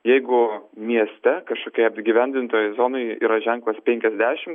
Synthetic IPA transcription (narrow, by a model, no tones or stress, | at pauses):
jɛɪɡʊmʲiɛsʲt̪ʲɛkɐʃkoːkʲɛɪɐbɡʲiʋʲɛnʲd̪ʲɪnt̪oːjzoːnoɪḭːɾɐʒʲæŋklˠɐspʲɛŋʲkʲɛzʲd̪ʲæːʃʲɪm